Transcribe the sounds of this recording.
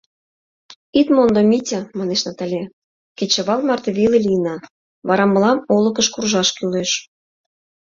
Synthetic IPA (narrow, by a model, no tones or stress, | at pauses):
it̪mond̪omʲitʲĕmɑneʃnɑt̪ɑlʲe | ket͡ɕə̆βɑlmɑrt̪eβʲilelʲijnɑ | βɑɾɑmɤ̆lɑmolɤ̆kə̆ʃkurʒɑʃkyleʃ